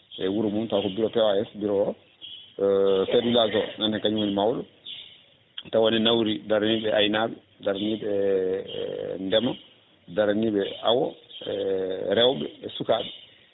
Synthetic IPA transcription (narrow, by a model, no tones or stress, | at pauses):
ʔɛwuɾumuntakɔbiɾɔpɛwaɛsbiɾɔɔ | sedulazɔnanɛkaɲwonimawɗɔ | tawɔnɛnawɾidaɾaniɓɛʔajnaɓɛ | daɾaniɓɛ̰ | ndɛma | daɾaniɓɛawɔɛɾɛwɓɛɛsukaɓɛ